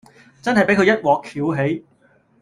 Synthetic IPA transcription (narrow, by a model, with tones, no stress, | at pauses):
t͡sɐ˥nhɐ˨jpe˨˥jkʰɵ˧jɐ˥t̚wɔː˨kʰiː˨˥wɦe˨˥j